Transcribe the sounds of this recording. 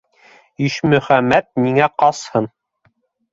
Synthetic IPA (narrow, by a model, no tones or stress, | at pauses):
iʃmɵ̆χæmːæt̪̚miŋæqɑshɤn